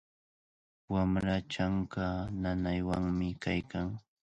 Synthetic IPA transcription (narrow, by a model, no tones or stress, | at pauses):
wamɾat͡ʃaŋkananajwaŋmɪkajkaŋ